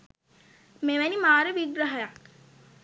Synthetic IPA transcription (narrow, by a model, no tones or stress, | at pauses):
meʋænimaːɾəʋiɡɾəɦəjak̚